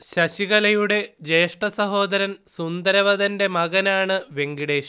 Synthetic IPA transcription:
ɕɐɕiɣɐlɐjuɽe̞d͡ʑe̞ːʂʈɐsɐɦo̞ːd̪ɐɾɐnsund̪ɐɾɐʋɐðɐnde̞mɐɣɐnaːɳɨʋe̞ŋɡiɽeːɕ

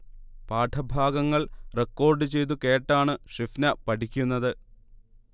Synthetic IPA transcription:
paːʈʰɐbʱaːɡɐŋːɐɭrekːo̞ːrɖɨt͡ɕe̞jt̪̬uke̞ːʈːaːɳɨʂifnɐpɐʈʰikʲːunːɐðɨ

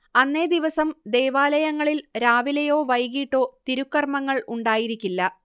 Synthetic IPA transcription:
ɐnːe̞d̪iʋɐsɐmd̪e̞ːʋaːlɐjɐŋːɐɭilɾaːʋilɐjo̞ːʋɐjɣiːʈːoːt̪iɾukːɐrmɐŋːɐɭuɳɖaːjiɾikʲːilːɐ

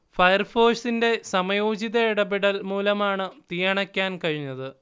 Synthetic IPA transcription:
fɐjɐrfo̞ːʂinde̞sɐmɐjoːd͡ʑiðɐɽɐbiɽɐlmuːlɐmaːɳɨt̪ijɐɳɐkʲːaːnkɐɻiɲːɐðɨ

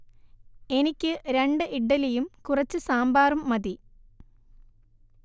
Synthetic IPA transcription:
e̞nikʲːɨɾe̞ɳɖɨʔiɖːɐlijumkurɐt͡ɕːɨsaːmbaːrumːɐði

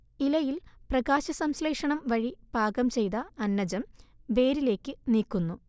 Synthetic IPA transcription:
ilɐjilprɐɡaːɕɐsɐmsleːʂɐɳɐmʋɐɻib̥ʱaːɡɐmt͡ɕe̞jt̪ɐːnːɐd͡ʑɐmʋe̞ːɾile̞ːkːɨniːkːunːu

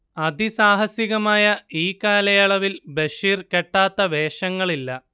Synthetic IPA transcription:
ɐd̪isaːɦɐsjiɣɐmaːjɐiːkaːlɐjɐɭɐʋilbeʂiːrkeʈːaːt̪ːɐʋe̞ːʂɐŋːɐɭilːɐ

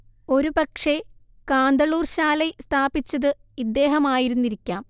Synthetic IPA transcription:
o̞ɾupɐkʂe̞ | kaːnd̪ɐɭuːrɕaːlest̪ʰaːbit͡ɕːɐðɨ | id̪ːe̞ːɦɐmaːjiɾunːiɾikʲːaːm

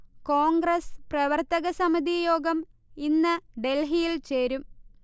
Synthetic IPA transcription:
koːŋɡɾrɐsprɐʋɐrt̪ɐɣɐsɐmid̪ijo̞ːɡɐm | inːɨɖelɦijilt͡ɕeːɾum

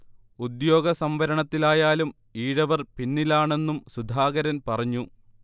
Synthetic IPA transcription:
ud̪jo̞ːɡɐsɐmʋɐɾɐɳɐt̪ːilaːjaːlum | iːɻɐʋɐrpinːilaːɳe̞nːumsud̪ʱaːɡɐɾɐnpɐrɐɲːu

